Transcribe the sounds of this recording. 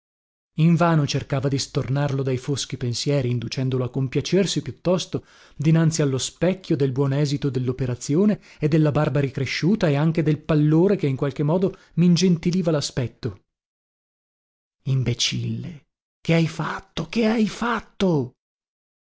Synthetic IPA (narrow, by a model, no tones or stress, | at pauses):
iɱvaːnot͡ʃerkaːvad̪ist̪ornarlod̪ajfosk̟ipensjɛːɾiːnd̪ut͡ʃɛnd̪oloakːompjat͡ʃersipjut̪ːɔst̪o | d̪inant̪sialːospɛkʲːjod̪elbwɔːnɛːzit̪od̪elːopeɾat̪sːjoːne | ed̪ːelːabarbaɾikɾeʃːuːt̪aeaŋk̟ed̪elpalːoːɾekeiŋkwalk̟emːɔːd̪o | mind͡ʒent̪iliːvalaspɛt̪ːo | imbet͡ʃilːe | keajfat̪ːokeajfat̪ːo